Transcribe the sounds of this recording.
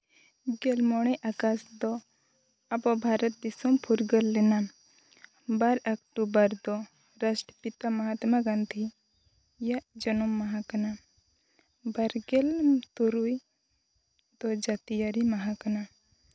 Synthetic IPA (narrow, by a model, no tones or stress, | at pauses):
ɡɛlmɔɽ̃ɛʔakasd̪ɔ | abɔbʱaɾət̪̚d̪isɔmpʰuɾɡəlːɛna | baɾakʈubəɾd̪ɔ | ɾasʈəpit̪amaɦat̪maɡant̪ʰi | jaʔd͡ʒɔnɔmːaɦakana | baɾɡɛlt̪uɾuj | d̪ɔd͡ʒat̪ijaɾimaɦakana